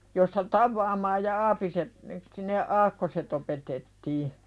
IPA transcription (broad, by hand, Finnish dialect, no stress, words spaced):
jostɑ tɑʋːɑːmɑːj jɑ ɑːpiset ne sin ne ɑːkːoset opetetːiː